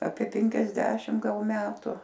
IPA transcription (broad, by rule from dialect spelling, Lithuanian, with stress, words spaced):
ˈɑːpʲiɛ pʲɛŋʲkʲɛzʲˈdʲæːʃʲɪm ˈɡɐlˠ ˈmʲæːtʊ